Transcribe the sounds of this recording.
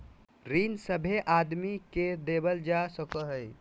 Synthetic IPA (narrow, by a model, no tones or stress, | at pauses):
ɾinsəbʱeʔad̪miked̪ebəld͡ʒasəkəɦəj